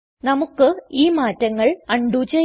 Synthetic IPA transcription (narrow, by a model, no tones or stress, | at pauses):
nɐmukːɨiːmaːtːɐŋːɐɭɐɳɖut͡ɕɐ